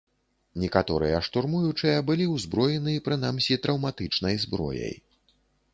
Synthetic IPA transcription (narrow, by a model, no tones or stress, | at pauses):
nʲɛkat̪ɔɾɨ̰jɐʂt̪urmujut͡ʂɨjɐbɨlʲiwzbɾɔjɛnɨipɾɨn̪amsʲit̪ɾʔɐwmat̪ɨt͡ʂnɐjzbɾɔ̰jɐ̰j